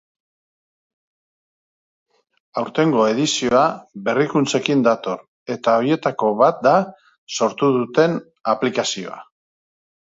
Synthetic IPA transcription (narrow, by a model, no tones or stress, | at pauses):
awɾt̪e̞ŋɡo̞e̞ðisio̞aβe̞rikunt͡se̞kind̪at̪o̞r | e̞t̪ao̞ɾje̞t̪ako̞βat̪̚d̪a | so̞ɾt̪uðut̪e̞n | aplikasio̞̰a̰